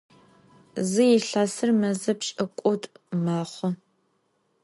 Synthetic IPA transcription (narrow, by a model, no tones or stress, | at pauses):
zɨjɪɬaːsɨrmɐzɐpt͡ʃʼɐkʷʼʊtʼmaːχʷɔ